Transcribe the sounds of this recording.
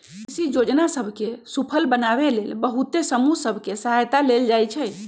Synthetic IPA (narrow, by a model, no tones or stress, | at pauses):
isid͡ʒod͡ʒnasəbʱkesupʰəlbənaβelelbəɦut̪esəmusəbʱkesəɦajt̪aleld͡ʒajt͡ʃʰɛ